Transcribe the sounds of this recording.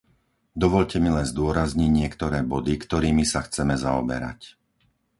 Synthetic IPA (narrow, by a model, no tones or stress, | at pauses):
d̪ɔʋɔʎcɛmilɛnzd̪ʊɔɾazɲiɟɲɪɛkt̪ɔɾɛːbɔd̪ikt̪ɔɾiːmisaxt͡sɛmɛzaɔ̰bɛ̰ɾa̰c